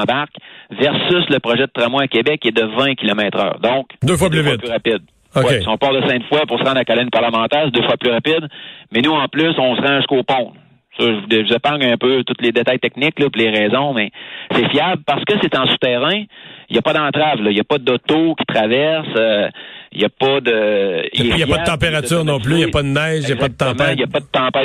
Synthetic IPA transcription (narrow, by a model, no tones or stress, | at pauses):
baʁkvɛʁsʏsləpʁɔʒɛd̪ət̪ʁamwaakʲebɛkːɛd̪əvɛ̃kʲilɔmɛːt̪ʁœ̰ːʁd̪ɔ̃kd̪øfwaplyfvwɪalyʁapɪd̪̚ | owɛsiɔ̃pɑʁd̪əsɛ̃t̪fwapʊʁsəʁɑ̃d̪ʁakalɛnpaʁləmɑ̃ːt̪ɛːʁsed̪øfwaplyʁapɪd̪mɛnuɑ̃plʏsɔ̃sʁɑ̃ʒskoːpɔ̃ | sɔʒəvud̪ɛʒvuzapɑ̃ŋɛ̃pøt̪ʊt̪led̪et̪ajt̪ɛknɪklɔpuleʁɛːzɔ̃mɛsɛfjablpaʁsə̥kəset̪ɑ̃su̥t̪ɛːʁɛ̃ijɐpɔd̪ɑ̃ːt̪ʁavlʌjɐpʌd̪ɔt̪okʲi̥t̪ʁavɛʁsøjɐpʌd̪əiɛjjʌdaət̪ɑ̃peʁasyːʁnɔ̃plyjapɔd̪ənɛɪʒjɐpɔd̪ət̪ɑ̃pãjɐpɔd̪ət̪ɑ̃ːpa